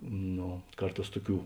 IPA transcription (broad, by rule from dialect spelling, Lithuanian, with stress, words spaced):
ˈnoː ˈkɐrˌtɑːs ˈtʊˌkʲuː